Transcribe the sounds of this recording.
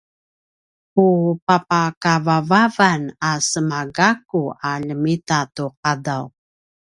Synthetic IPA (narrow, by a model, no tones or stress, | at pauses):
pupapakavavavanasəmaɡakuaʎəmitatuq̚adaw